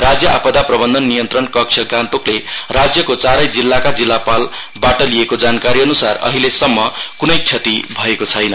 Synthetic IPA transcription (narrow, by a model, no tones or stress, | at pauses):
rad͡zjʌʔa̰pʌd̪aprʌbʌnd̪ʱʌnːijʌnt̪rʌnkʌk̚t͡ʃʰʌɡãnt̪oklerad͡zjʌkot͡saɾʌjd͡zilːakad͡zilːapal | baʈʌlijekod͡zankaɾiʌnusarʌ̰ɦilesʌmːʌkunʌjt͡sʰjʌt̪ibʱʌekot͡sʰʌjnʌ